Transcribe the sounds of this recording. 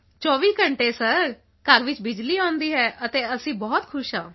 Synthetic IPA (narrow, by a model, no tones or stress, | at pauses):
t͡ʃɔːʋiːkəɳʈeːsəɾ | kəɾʋɪt͡ʃbɪd͡ʒliːɔ̃ːnd̪iːɦɛːʔət̪eːəsĩːbɔːt̪kʰʊʃɦãː